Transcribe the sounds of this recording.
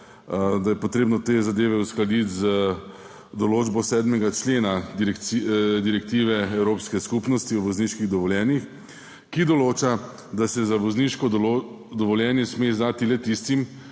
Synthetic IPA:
d̪ajɛpɔt̪ɾeːbnɔt̪eːzad̪eːʋɛusklad̪it̪zə | d̪ɔloːd͡ʒbɔsɛːd̪mɛɡat͡ʃleːnaɾɛkd̪iɾɛkt̪iːʋɛɛwɾoːpskɛskupnɔst̪iɔʋɔzniːʃkiɣd̪ɔʋɔljɛːnix | kid̪ɔloːt͡ʃa | d̪asɛzaʋɔzniʃkɔd̪ | d̪ɔʋɔljɛːnjɛsmezd̪aːt̪ilɛt̪ist̪im

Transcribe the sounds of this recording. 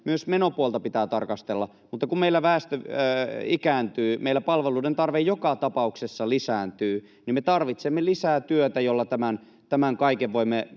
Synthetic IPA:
myøsmenopuolt̪ɑpit̪æːt̪ɑrkɑst̪elːɑ | mut̪ːɑkummeilːæʋæːst̪ø | ikæːnt̪yːmeilːˑæpɑlʋeluːdent̪ɑrʋejjokɑt̪ɑpɑuksesːɑlisæːnt̪yː | nimet̪ɑrʋit̪semːelisæːt̪yøt̪æjolːɑt̪æmæn | t̪æmæŋkɑikeʋʋoimːe

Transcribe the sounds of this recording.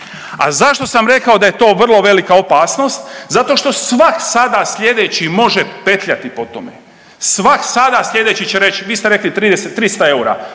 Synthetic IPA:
a̰zaʃt̪o̞samɾe̞kaod̪aje̞t̪o̞ːʋr̩lˠo̞ʋe̞likaopaːsno̞st̪zat̪o̞ʃt̪o̞sʋaksad̪asʎʲe̞d̪et͡ɕimo̞ʒe̞pe̞t̪ʎʲat̪ipo̞t̪omḛ | sʋaksad̪asʎʲe̞d̪e̞t͡ɕit͡ɕeɾe̞t͡ɕʋiːst̪eɾe̞klit̪ɾiːd̪eset̪ːɾist̪ae̞uɾa̰

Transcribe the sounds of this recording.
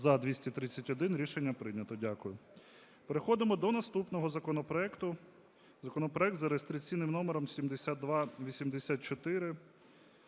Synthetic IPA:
zɐd̪ʲʋʲisʲtʲit̪ɾɪt͡sʲːɐtʲɔd̪ɪnɾʲiʃenʲːɐpɾɪjnʲɐt̪ɔdʲakʊjʊ | peɾexɔd̪ɪmɔd̪ɔnɐst̪upnɔɦɔzɐkɔnɔpɾɔɛkt̪ʊ | zɐkɔnɔpɾɔɛk̚t̪zɐɾest̪ɾʲɪkt͡sʲijnɪmnɔmeɾɔmsʲimd̪esʲat̪̚ːʋɑʋʲisʲimd̪esʲat̪̚t͡ʃɔt̪ɪɾɪ

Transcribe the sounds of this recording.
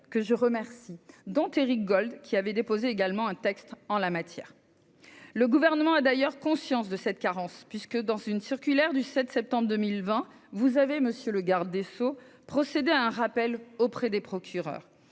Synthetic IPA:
kəʒəʁəmɛʁsid̪ɔ̃t̪eʁik̚ɡɔld̪kʲiavɛd̪epozeeɡalmɑ̃ɛ̃t̪ɛkst̪ɑ̃lamat̪jɛ̰ːʁ | ləɡuvɛʁnəmɑ̃ad̪ajœʁkɔ̃sjɑ̃sd̪əsɛt̪kaʁɑ̃spɥiskəd̪ɑ̃zynsiʁkʲylɛʁd̪ysɛt̪sɛp̚t̪ɑ̃bʁd̪əmilvɛ̃vuzaveməsjøləɡaʁd̪esopχɔsed̪eaɛ̃ʁapɛlopχɛd̪epχɔkʲʰyʁœ̰ːʁ

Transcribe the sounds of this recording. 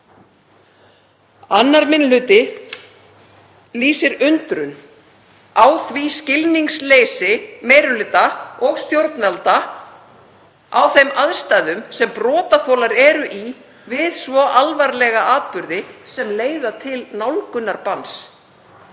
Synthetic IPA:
anːaɾmɪnlʏːt̪ɪ | liːsɪɾʏnt̪ɾʏn | awθviscɪlniŋsleːjsɪmeːjɾʏlɪːt̪aɔɣst̪jowɾt̪nvalt̪a | awθejmaðst̪aːjðʏmsɛmpɾɔːt̪aθoːlaɾɛɾʏʔi | vɪðsvɔʔalvaɾlɛɣaʔaːt̪̚pʏɾðɪsɛmleːjðat̪ʰɪlnawlkʏnːaɾpans

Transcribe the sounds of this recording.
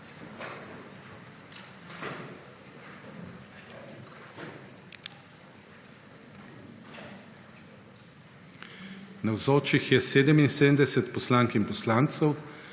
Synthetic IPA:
nawzoːt͡ʃixjɛseːd̪ɛminsend̪ɛsɛt̪pɔslaːŋkinpɔslaːnt̪səw

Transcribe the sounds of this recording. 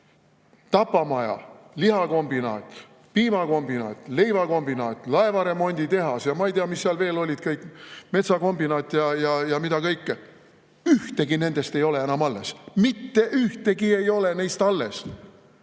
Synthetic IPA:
t̪ɑpːˑɑmɑjɑ̰lihɑko̞mbinɑ̰ːt̪ˑ | piːmɑko̞mbinɑːt̪ˑlejvɑko̞mbinɑːt̪ˑlɑe̞vɑɾe̞mo̞nʲd̪̥ʲit̪e̞ɦɑsjɑmɑejt̪eɑmisːeɑlve̞ːlo̞lʲid̪̥̚kɤjkme̞t̪sɑko̞mbinɑːt̪ːˑjɑjɑjɑmid̪̥ɑkɤjkːe | yht̪e̞ɡine̞nd̪̥e̞st̪e̞jo̞le̞enɑmɑlːe̞smit̪ːe̞ʔyht̪e̞ɡie̞jo̞le̞nejst̪ɑlːe̞s

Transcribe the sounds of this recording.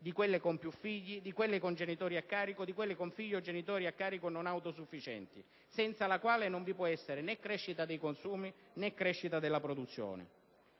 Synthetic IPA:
d̪ikwelːekompjufːiʎːid̪ikwelːɪkond͡ʒenit̪ɔːɾiakːaːɾikod̪ikwelːɪkoɱfiʎːod͡ʒenit̪ɔːɾiakːaːɾikononawt̪osufːit͡ʃɛ̰nt̪i | sɛnt̪salakwaːlɪnoɱvipwɔɛsːeɾɪnɛkːɾɛʃːit̪ad̪ejkonsuːmi | nɛkːɾɛʃːit̪ad̪elːapɾod̪ut̪sːjɔ̰ːnɪ̰

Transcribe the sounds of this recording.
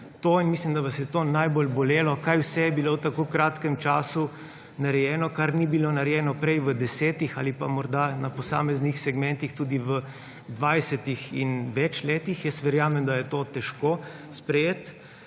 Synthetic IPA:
t̪oinmislimd̪ɐʋasjɛt̪oːnajbolbɔleːlɔkajwsɛjɛbilowt̪akoːkɾaːt̪kɛmt͡ʃaːsu | nɐɾɛjɛːnɔkaɾnibilonaɾɛjɛːnɔpɾɛjʋəd̪ɛsɛːt̪ixa̰lipamɔɾd̪anɐpɔsa̰ːmɛznixsɛɡmɛ̃nt̪ixt̪uːd̪iʋə | d̪ʋajsɛt̪ixḭnʋɛt͡ʃleːt̪ixjɛst̪ʋɛɾjaːmɛmd̪ajɛt̪ot̪ɛʃkoːspɾɛjeːt̪

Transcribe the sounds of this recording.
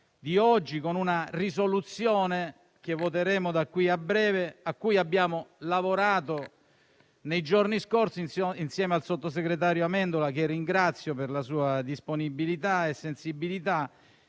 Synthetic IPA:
d̪iɔd͡ʒːikonunarisolut̪sːjoːne | k̟evːot̪̬eɾeːmod̪akːwiabːɾɛːveakːujabːjaːmolavoɾaːt̪o | nejd͡ʒorniskorsininsjɛːmealsot̪ːos̬eɡɾet̪̬aːɾjoamɛnd̪olak̟erːiŋɡɾat̪sːjoperlasuːad̪isponibilit̪aesːensibilit̪a

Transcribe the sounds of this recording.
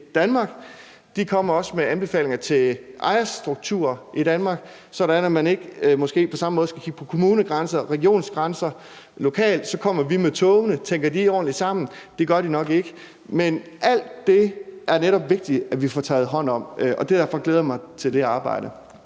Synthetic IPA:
d̥ænmɑ̈ːɡ̥ | d̥ikʰɒ̽m̰ɐɒ̽səmeænb̥e̝fɛ̰ːle̝ŋɐt͡sʰe̝ʔɑ̈ɪɐsd̥ʁuɡ̥̚t͡sʰuːɐʔid̥ænmɑ̈ːɡ̥ | sɒ̽ɾ̥ænæmæne̝ɡ̥əmɒ̽sɡ̥e̝̰ːpʰɒ̽sɑ̈mɔ̽ð̩ˠsɡ̥ækʰiɡ̥̚pʰɒ̥̽kʰo̝muːnəɡ̥ʁɑnsɐʁɛɡio̝̰ːnsɡ̥ʁɑ̈nsɐ | lo̝kʰɛ̰ːld̥sɒ̽kʰɒ̽m̰ɐʋimet͡sʰɔːʊnət͡sʰeŋ̰ɡ̥ɐdiɒ̰ːn̩li̥sɑ̈m̰n̩d̥e̝ɡ̥ɶɐɾ̥inɒ̽ɡ̥e̝ɡ̥ə | men | ʔæl̰d̥ːe̝ʔæɐneɾɒ̽b̥ʋe̝ɡ̥̚d̥iæʋifɒt͡sʰɛ̰ːð̩ˠɦɒ̽n̰ɒ̽m̰ʔɒ̽d̥ed̥æɐfɒ̽ɡ̥leːð̞ˠɐmɑ̈ɪt͡sʰe̝ld̥e̝ɑ̈ːb̥ɑ̈ɪ̰ɾ̥ə

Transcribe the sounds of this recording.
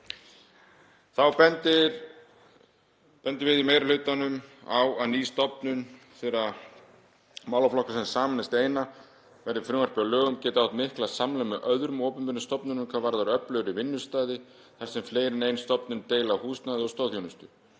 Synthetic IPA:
θawpɛnt̪ɪɾ | pɛnt̪ɪɾvɪðimejɾalʏt̪anːʏmawaniːst̪ɔpnʏn | θɛːɾa | maːwlaflɔhkasɛnsaːmɪnast̪eːjna | vɛɾðɪɾfɾɪːvaɾ̥pɪalœːɣʏmcɛːt̪ɪawht̪mɪhklasamlamɛʔœðɾʏmɔːpʏnpɪnːʏst̪ɔpnʏnʏmkʰavaːɾðaɾœplœɣʏɾɪvɪnːʏst̪aːjðɪ | θaɾ̥sɛmfleːjɾɪnejnst̪ɔpnʏnt̪eːjlahuːst̪naːjðɪɔst̪ɔːwðjownɪst̪ʏ

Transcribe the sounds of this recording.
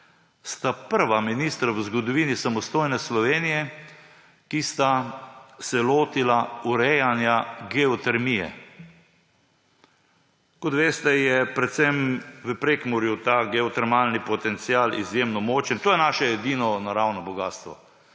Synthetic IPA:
st̪apəɾʋaminist̪ɾaʋəzɡɔd̪ɔʋiːnisamɔst̪oːjnɛslɔʋeːnijɛ | kist̪a | sɛloːt̪ilauɾɛjanjaɡɛɔt̪ɛɾmijɛ̰ | kɔt̪ʋeːst̪ɛjɛpɾɛt̪sɛmʋəpɾeːkmuɾjut̪aːɡɛɔt̪ɛɾmaːlnipɔt̪ɛnt̪siaːlḭzjemnɔmoːt͡ʃənt̪oːjɛnaːʃɛɛd̪iːnɔnaɾawnɔbɔɡaːst̪ʋɔ̰

